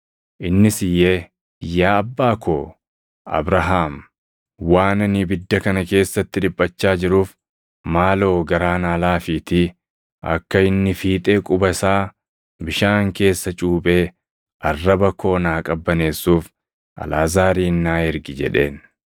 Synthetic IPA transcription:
ʔɪnːɪsɪjːe̞ː | jaːɐbːaːkʰoː | ʔɐ̰bɾɐɦaːm | waːnɐnibɪd̪ːɐkɐnɐke̞ːsːɐt̪ːɪᶑɪbʼːɐt͡ʃːaːd͡ʒɪɾuːf | maːlo̞ːɡɐɾaːnaːlaːfiːt̪ɪ | ɐ̰kːɐɪnːɪfiːt̪ʼe̞ːkʼʊbɐsaː | bɪʃaːŋke̞ːsːɐt͡ʃʼuːpʼe̞ː | ʔɐrːɐbɐkʰo̞ːnaːkʼɐbːɐne̞ːsːuːf | ʔɐ̰laːzaːɾiːnːaːɛɾɡɪd͡ʒɛ̰ᶑe̞̰ːn

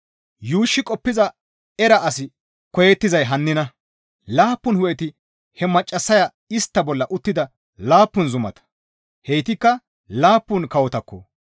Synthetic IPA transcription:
juːʃːɪkʼɔpːɪzɐ | ɛɾɐʔɐsɪ | kɔjɛt̪ːɪzɐjɦɐnːɪnɐ | laːpːʊnhʊjɛt̪ɪ | hɛmɐt͡ʃʼːɐsːɐjɐ | ɪst̪ːɐbɔlːɐʔʊt̪ːɪd̪ɐ | laːpːʊnzʊmɐ̰t̪ɐ̥ | hɛjt̪ɪkːɐ | laːpːʊnkɐwɔt̪ɐkːɔ̰

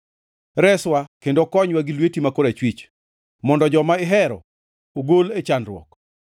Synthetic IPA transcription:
ɾɛswakendokɔɲwaɡilwetimakoɾet͡ʃwit͡ʃ | mɔndɔd͡ʒɔmaɪɦɛɾɔ̰ | oɡolet͡ʃanɾwɔ̰k

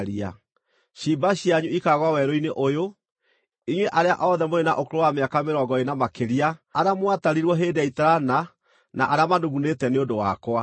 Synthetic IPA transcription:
ɾia̰ | ɕibaɕijaɲuikaɣwawɛɾoineʔojo | iɲweʔaɾea̰ʔɔðɛmoena̰ʔokoɾowameakameɾɔːŋɡɔenamakeɾiaaɾamwataɾiɾwɔɦeːdeaitaɾana | naʔaɾeamadoɣunetɛneondowakwa

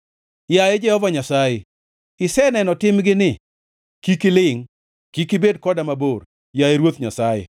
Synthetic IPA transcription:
jajed͡ʒɛhɔvaɲasaje | ɪsɛnɛnɔtɪmɡɪnɪ | kikɪlɪŋ | kikɪbedkɔdamabor | jajeɾwot̪ɲa̰sajḛ

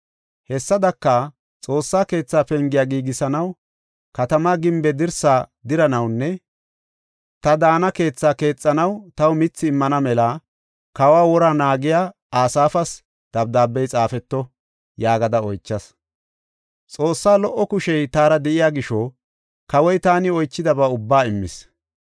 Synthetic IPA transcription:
hɛsːɐd̪ɐkːɐ | t͡sʼo̞ːsːaːke̞ːt͡sːaːpɛŋɡɪjaːɡiːɡɪsɐnɐw | kɐt̪ɐmaːɡɪmbɛd̪ɪɾsaːd̪ɪɾɐnɐwnːɛ | t̪ɐd̪aːnɐke̞ːt͡sːaːke̞ːt͡sʼːɐnɐwt̪ɐwmɪt͡sːɪːmːɐnɐmɛlɐ | kɐwaːwɔɾaːnaːɡɪjaː | aːsaːfɐs | d̪̥ɐbd̪aːbːɛjt͡sʼaːfɛt̪ːɔ | jaːɡɐd̪ɐɔjt͡ʃːɐs | t͡sʼo̞ːsːaːlɔʔːɔkʊʃɛjt̪aːɾɐd̪ɛʔɪjaːɡɪʃɔ | kɐwɔjt̪aːnɪɔjt͡ʃːɪd̪ɐbɐʊbːaːɪmːɪs

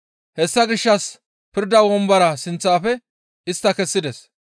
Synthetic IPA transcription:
hɛsːɐɡɪʃːɐs | pɪɾd̪ɐwɔmbɐɾɐsɪnt͡sːaːfɛ | ɪst̪ːɐkɛsːɪd̪ɛs

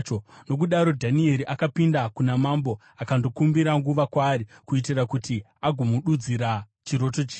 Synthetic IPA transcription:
ono̞k̬uɗaɾo̞dʱanie̞ɾiʔakapindakunamambo̞ | akando̞kumbiɾaŋɡuʋakwaːrikuitirakuti | aɡʱumuɗud͡ziɾa | t͡ʃiɾo̞tot͡ʃiː

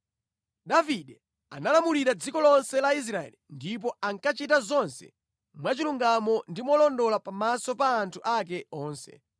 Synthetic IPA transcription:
daviɗɛ | a̰nalamuliɾad͡zikɔlɔnsɛlais̬ɾaɛ̰lindip̬ɔaŋkat͡ʃitazɔnsɛ̰ | mwat͡ʃiluŋɡamɔndimɔlɔndɔlapamasɔpaːntʰuʔak̬ɛɔːnsɛ̰

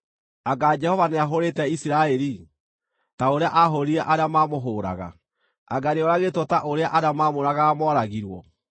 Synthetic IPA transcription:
aɡad͡ʒɛhɔvaneaɦoɾetɛisiɾaɛɾi | taoɾeaʔaɦoɾiɛʔaɾeamaːmoɦoːɾa̰ɣa̰ | a̰ɡaɾeɔɾaɣetɔtaʔoɾeaʔaɾeamaːmoɾaɣamɔɾaɣiɾwɔ

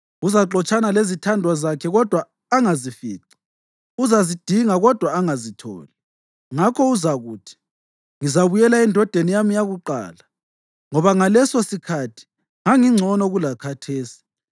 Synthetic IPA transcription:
uzaǁɔt͡ʃʼanalezitʰandʱwazakʰɛɣɔd̥ʱwaː | ŋazifiːǀḁ | uzazid̥ʱiŋaɣɔd̥ʱwaːŋazitʰɔ̰ːli | ŋakʰɔuzaɣuːtʰi̥ | ŋizaβujɛlaɛndʱɔd̥ʱenijamijaɣuǃa̰ːla | ŋɔβaŋalɛsɔsikʰatʰi̥ | ŋaŋiŋ͡ǀʱɔnɔɣulakʰatʰeːsi̥

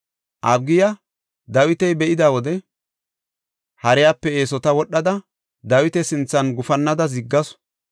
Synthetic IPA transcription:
ʔɐbɡɪjɐ | d̪ɐwɪt̪ɛjbɛʔɪd̪aːwɔd̪ɛ | hɐɾɛjaːpːɛe̞ːsɔt̪ɐwɔɗːɐd̪ɐ | d̪ɐwɪt̪ɛsɪnt͡sːɐnɡʊfɐnːɐd̪ɐzɪɡːɐs

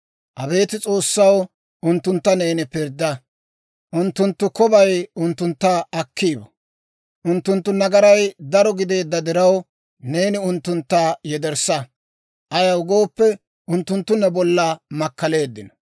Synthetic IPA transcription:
ʔɐbe̞ːt̪ɪt͡sʼo̞ːsːɐw | ʊnt̪ːʊnt̪ːɐne̞ːnɪpɪɾd̪ːɐ | ʔʊnt̪ːʊnt̪ːʊkɔbɐjʊnt̪ːʊnt̪ːɐɐkʰːiːbɐ | ʔʊnt̪ːʊnt̪ːʊnɐɡɐɾɐjd̪ɐɾɔɡɪd̪e̞ːd̪ːɐd̪ɪɾɐw | ne̞ːnɪʊnt̪ːʊnt̪ːaːjɛd̪ɛɾsɐ | ʔɐjɐwɡo̞ːpːɛ | ʊnt̪ːʊnt̪ːʊnːɛbɔlːɐmɐkːɐle̞ːd̪ːɪnɐ̥

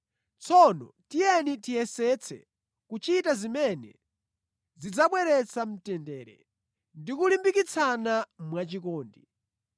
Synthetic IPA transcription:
t͡sʰɔnɔ̰ | tijɛnitijɛsɛt͡sʰɛ̰ | kut͡ʃitazimɛnɛ̰ | zid͡zaɓwɛɾɛt͡sʰam̩tɛndɛːɾɛ̰ | ndikulimbikit͡sʰanamwat͡ʃikɔːndi

